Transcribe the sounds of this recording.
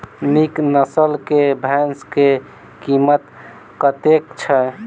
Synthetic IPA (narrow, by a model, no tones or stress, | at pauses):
niknəsəlkebʱɛnske | kimət̪ | kət̪ekt͡ʃʰə